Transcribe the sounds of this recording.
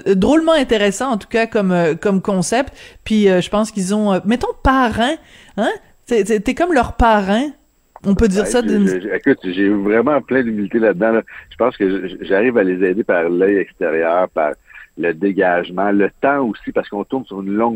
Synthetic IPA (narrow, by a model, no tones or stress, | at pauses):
d̪ʁolmɑ̃ɛ̃t̪eʁesɑ̃ɑ̃t̪u̥kakɔmøkɔmkɔ̃sɛpt̪pɥiøʒəpɑ̃skʲilzɔ̃ømɛt̪ɔ̃paʁɛ̃ | ɛ̃ | seset̪ɛkɔmlœʁpaʁɛ̃ | ɔ̃pød̪iːʁʁsad̪ynekʊt̪ʒevʁɛmɑ̃plɛ̃d̪ymilit̪elad̪̚ːãlʌʒ̥ə̥pɑ̃skəʒəʒaʁivalezɛd̪epaʁlɛjɛkst̪eʁjœːʁpa̰ʁləd̪eɡaʒmɑ̃lət̪ɑ̃usipaʁsəkɔ̃t̪ʊnsyʁynlɔ̃ŋ